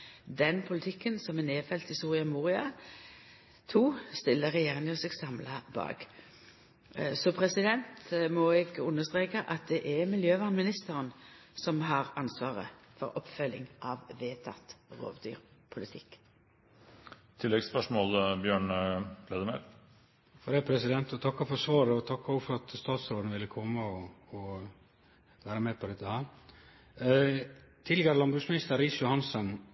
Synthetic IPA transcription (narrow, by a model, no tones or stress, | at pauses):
d̪ɛnpʰʊlɪt̪ʰɪkːənsɔmɛneːfɛlt̪ɪsuːʁɪɑmuːʁɪɑ | t̪ʰuːst̪ɪlːəʁɛjeːʁɪŋɔsɛɡsɑmlɑbɑ̰ːɡ | sɔpʰʁɛsɪd̪ɛnt̪mɔɛɡʉnːəʁst̪ʁeːkəʔɑt̪̚d̪ɛʔɛmɪljøːʋɑːnmɪnɪst̪əʁənsɔmɦɑʁɑnsʋɑːʁə̰fɔ̰ʁɔpfœlːɪ̰ŋʔɑʋʋeːt̪ʰɑ̰t̪ʁo̰ːʋd̪y̰ːʁpʰʊlɪt̪ʰɪkː | t̪ʰɪlːɛɡspœʂmɔːlbjøːɳlɛːd̪əmɛ̰l | fɔd̪ɛpʰɾɛsɪd̪ɛnt̪ɔt̪ʰɑkːɑfɔsʋɑːɾəɔt̪ʰɑkːɑɔɡəfɔɾɑt̪st̪ɑːt̪sɾoːd̪nəʋɪlːəkʰɔmːəɔɔ | ʋæːɾəmɛpʰɔd̪ɛt̪ːəhæːɾ | t̪ʰɪlɛɡæɾəlɑmbʉɡsmɪnɪst̪əɾːɪːsjʊhɑnsən